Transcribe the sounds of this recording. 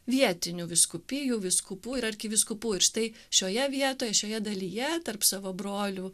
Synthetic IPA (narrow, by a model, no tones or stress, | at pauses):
ʋʲiɛt̪ʲɪnʲuːʋʲɪskʊpʲɪjuːʋʲɪskʊpuːɪɾɐrʲkʲɪʋʲɪskʊpuːɪɾʃt̪ɐɪ | ʃʲoːjɛʋʲiɛt̪oːjɛʃʲoːjɛd̪ɐlʲiːjɛt̪ɐrpsɑːʋoːbɾoːlʲu